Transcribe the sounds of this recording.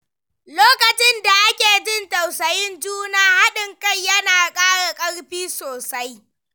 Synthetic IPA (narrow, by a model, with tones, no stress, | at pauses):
loː˦kɐ˨t͡ʃɪ˦nda˨ʔa˦kʲeː˨d͡ʒɪ˦nta˨wsɐ˨jɪ˦nd͡ʒuː˦naː˨ha˦ɗɪ˨ŋka˦jjɐ˦naː˨kʼaː˦ɽa˨kʼɐ˦ɽɸiː˦soː˨sa˦j